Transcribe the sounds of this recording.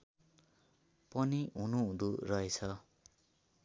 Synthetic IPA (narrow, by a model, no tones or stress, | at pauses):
pʌniɦunuũɾurʌet͡sʰʌ